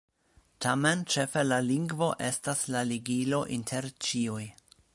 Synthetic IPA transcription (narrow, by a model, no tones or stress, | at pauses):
tʰament͡ʃe̞fe̞laliŋɡvo̞ʔe̞staslaliɡilo̞ʔintʰe̞ɾt͡ʃiuj